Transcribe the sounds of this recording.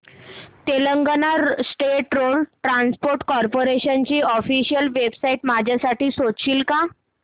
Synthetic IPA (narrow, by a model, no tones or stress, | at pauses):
t̪eləŋɡənaɾsʈeʈɾolʈɾanspoɾʈkɔɾpoɾeɕənt͡ɕiːɔfiɕijəlʋebsaiʈmad͡ʑʱjasaʈiːsoɕiːlka